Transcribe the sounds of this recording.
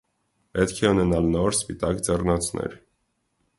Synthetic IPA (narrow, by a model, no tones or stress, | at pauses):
pɛt̪kʰɛunɛnɑlnɔɾspit̪ɑkd͡zɛrnɑt͡sʰnɛ̰ɾ